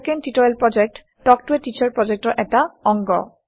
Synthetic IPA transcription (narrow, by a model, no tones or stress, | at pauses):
kentitɔelpɹɔd͡ʒek̚tːɔk̚tuetit͡ɕaɹpɹɔd͡ʒek̚tɔɹʔɛtaɔŋɡɔ̰